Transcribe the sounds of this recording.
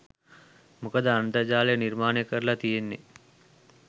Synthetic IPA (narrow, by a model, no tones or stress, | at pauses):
mukəd̪əant̪əd͡ʒaːlejənirmaːneəkəɾlat̪ijenːe